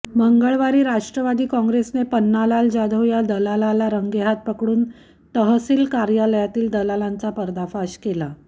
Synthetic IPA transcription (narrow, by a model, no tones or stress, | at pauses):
məŋɡəɭʋaɾiːɾaʂʈɾəʋad̪iːkɔ̃ŋɡɾesnepənːalald͡ʑad̪ʱəwjad̪əlalalaɾəŋɡeɦat̪̚pəkɽuːn | t̪əɦəsiːlkaɾjaləjat̪iːld̪əlalant͡sapəɾd̪afaɕkela